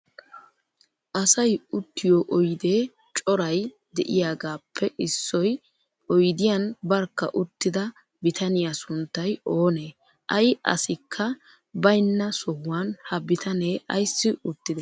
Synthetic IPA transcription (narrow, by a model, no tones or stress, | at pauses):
ʔɐsɐjʊt̪ːɪjoːʔɔjd̪e̞ː | t͡ʃʼɔɾɐj | d̪ɛʔɪjaːɡaːpʰːɛʔɪsːɔj | ɔjd̪ɪjanbɐɾkːɐ̰ʔʊt̪ːɪd̪ɐ | bɪt̪ʰɐnɪjasʊnt̪ːɐjo̞ːneː | ʔɐjʔɐ̰sɪkʰːɐ | bɐjnːɐsɔhːaːnhɐbɪt̪ʰɐneːʔɐ̰jsːɪʊt̪ːɪd̪ɛ